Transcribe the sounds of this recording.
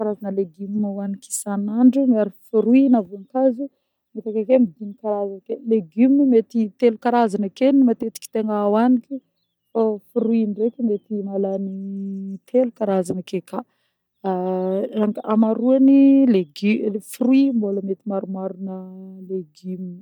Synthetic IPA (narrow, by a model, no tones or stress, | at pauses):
kaɾazanəleɡimaaniki̥sanaɳɖ͡ʐumiaɾifuɾuinavunikazu | met̪akekemid̪inikaɾazankeleɡyminimet̪it̪elukaɾazanakenimat̪et̪i̥kʲi̥t̪eŋawanikʲi | fafuɾuiɳɖ͡ʐekʲimet̪inalanit̪ʰelukaɾazanəkeka | aŋɡamaɾuanileɡifuɾuimboləmet̪imaɾumaɾunəleɡimn